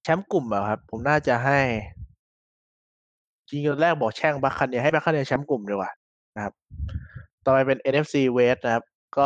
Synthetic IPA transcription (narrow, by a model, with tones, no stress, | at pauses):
t͡ɕʰɛ˦˥mku˨˩mːɛː˨˩kʰa˦˥pʰːo˩˦mnaː˥˩t͡ɕa˨˩ɦa˥˩j | t͡ɕi˧ŋko˧nɾɛː˥˩k̚bɔː˨˩k̚t͡ɕʰɛ˥˩ŋbaː˦˥kʰːa˧ni˧ɦa˥˩ba˦˥kʰːa˧ni˧t͡ɕʰɛ˦˥mku˨˩mdi˧˩kwaː˨˩ | na˦˥kʰa˦˥p̚ | t̪ɔː˧pa˧jpe˧nʔe˧nʔe˦˥f̚siː˧weː˦˥t̪̚na˦˥kʰa˦˥p̚ | kɔː˥˩